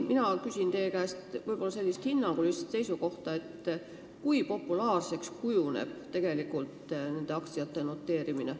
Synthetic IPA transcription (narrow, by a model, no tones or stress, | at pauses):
minɑkysʲint̪e̞ːkæːst̪vɯjb̥o̞lːɑse̞lʲːist̪hinːɑŋɡ̥ulist̪se̞jsuko̞ht̪ɑe̞t̪ːˑ | kujpo̞pːˑulɑːrse̞kskujunḛb̥t̪e̞ɡ̥e̞likːˑult̪ne̞nd̪̥e̞ɑkt̪siɑt̪ːˑe̞no̞t̪ːˑe̞ːɾimine